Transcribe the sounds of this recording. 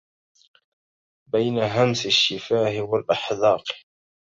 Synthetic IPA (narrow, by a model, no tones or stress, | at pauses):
bajnaɦamsaʃːɪfaːhɪwalʔaħðˤɑːq